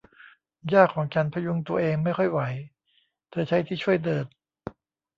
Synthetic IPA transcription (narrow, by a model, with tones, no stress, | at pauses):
jaː˥˩kʰːɔː˩˦ŋt͡ɕa˧npʰɾa˧ju˧ŋt̪u˧ɐʔeː˧ŋma˥˩jkxɔ˥˩jwa˩˦j | t̪ʰɯː˧˩t͡ɕʰa˦˥jt̪ʰiː˥˩t͡ɕʰu˥˩əjdɤː˧˩t̪̚